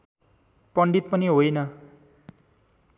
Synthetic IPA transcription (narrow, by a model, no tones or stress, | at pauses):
pʌɳɖit̪̚pʌniɦojnʌ